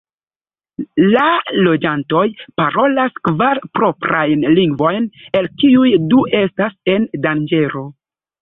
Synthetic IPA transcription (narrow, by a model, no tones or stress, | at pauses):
lalo̞d͡ʒanto̞jpaɾo̞laskvaɾpɾo̞pɾajnliŋɡvo̞jne̞lkiujduʔe̞stase̞ndand͡ʒe̞ɾo̞